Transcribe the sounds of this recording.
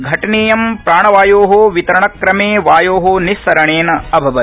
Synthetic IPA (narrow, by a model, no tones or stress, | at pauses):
ɡʱɐʈɐneːjɐmpɾaːɳɐʋaːjoːɦoʋit̪ɐɾɐɳɐkɾɐmeːʋaːjoːɦonistɐɾɐɳeːnɐɐbʱɐʋɐ